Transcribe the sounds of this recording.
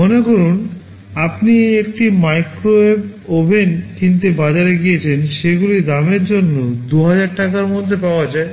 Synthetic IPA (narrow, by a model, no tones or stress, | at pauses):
onekoɾun | apniek̚ʈimajkɾoebobʱenkint̪ebad͡ʑaɾeɡijet͡ɕʰenʃeɡulid̪ameɾd͡ʑonːod̪uɦad͡ʑaɾʈakaɾmod̪ʱːepaoad͡ʑae